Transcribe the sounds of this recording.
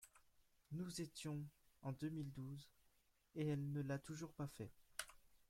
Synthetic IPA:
nuzet̪jɔ̃ɑ̃d̪ømild̪uz | eɛlnəlat̪uʒuʁpafɛ

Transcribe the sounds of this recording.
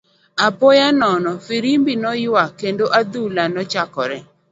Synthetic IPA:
apɔjanɔnɔfiɾimbinɔjakendoʔad̪ulanɔt͡ʃakɔɾɛ

